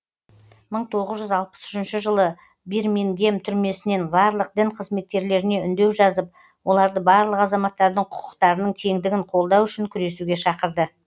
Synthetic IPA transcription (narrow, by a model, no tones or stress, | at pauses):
məɴt̪ʰo̞ʁəzʒʏzɑlˠpə̥sʏ̥ʃɪnʃɪʒəlˠə | biɾmeŋɡʲe̞mt̪ʰʏɾme̞sɪne̞nbɑɾlˠəq̚d̪ɪɴqʰəzme̞t̪̚kʲe̞ɾle̞ɾɪne̞ʏnd̪e̞wʒɑzəp̚ | wo̞lˠɑɾd̪əbɑɾlˠəqɑzɑmɑt̪ːɑɾd̪əɴqʰʊ̥qʰə̥qt̪ɑɾənəɴt̪ʰe̞ŋd̪ɪɡʲɪɴqʰo̞lˠd̪ɑwʏʃɪŋkʲʰʏɾe̞suɡʲe̞ʃɑqəɾd̪ə